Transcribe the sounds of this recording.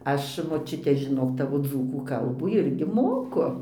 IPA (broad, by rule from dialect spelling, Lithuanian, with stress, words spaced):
ˈɐʃ moːˈt͡ʃʲʊtʲɛ ʒʲɪˈnoːk ˈtɑːʋoː ˈd͡zuːkuː ˈkɐlˠbuː ˈɪrʲɡʲɪ ˈmoːkʊ